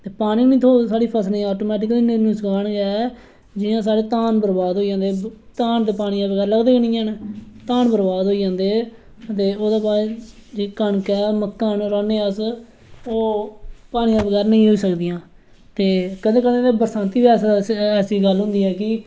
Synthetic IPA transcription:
t̪eːpaːɽ̃ĩːnĩːt̪ʰoːsaːɽiːpʰəsnẽːaːʈoːmɛːʈɪkəliːneɾnũːsəɡʰaːɳɡɛː | d͡ʒɪãːsaːɽeːt̪aːnbəɾbaːd̪ɦoːid͡ʒãːnd̪eːt̪aːnd̪eːpaːɽ̃ijãːbəɡɛːɾləɡd̪eːkənĩːɛ̃ːnːt̪aːnbəɾbaːd̪ɦoːid͡ʒãːnd̪eː | t̪eːoːd̪aːbaːd͡ʒeːkəɳkɛːməkːaːnɾaːneːəs | oːpaːɽĩːãːbəɡɛːɾnəĩːɦoːiːsəkd̪ijãː | t̪eːkəd̪ẽːkəd̪ẽːt̪eːbəɾsãːnt̪iːbiɛːsɛːsiːɡəlɦʊ̃ːnd̪iːɦɛːkɪ

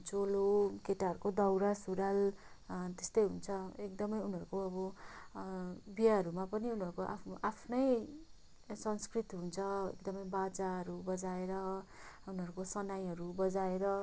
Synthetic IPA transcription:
t͡solokeʈaɦʌɾukod̪ʌwɾasuɾal | t̪est̪ʌjɦunt͡sʰʌek̚d̪ʌmʌjunɦʌɾukoʌbʌ | bijaɦʌɾumapʌniunɦʌɾukoʔa̰ʔapʰnʌj | sʌnskrit̪ɦunt͡sʰʌḛk̚d̪ʌmʌjbad͡zaɦʌɾubʌd͡zaeɾʌ | unɦʌɾukosʌnajɦʌɾubʌd͡zaeɾʌ

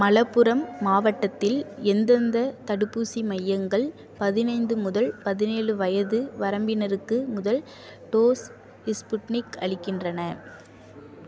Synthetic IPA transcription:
mɐlɐpːɯɾɐmːaːʋɐʈːɐt̪ːɪlɛnd̪ɐnd̪ɐt̪ɐɽɯpːuːsimɐjːɐŋɡɐɭ | pɐðɪnɐɪnd̪ɯmʊðɐlpɐðɪneːɻɯʋɐjɐðɯʋɐɾɐmbɪnɐɾɯkːɯmʊðɐl | ʈoːs | ɪspʊʈnɪkɐɭɪkːɪndrɐnɐ

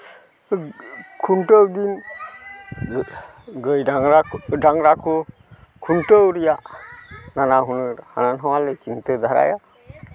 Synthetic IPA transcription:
kʰunʈəwɡin | ɡəjaŋɾaɖaŋɾakʰu | kʰunʈəwɾijaʔnanaɦunɯɾha̰nanɦawalet͡ʃintɯd̪ʱaɾa̰ja

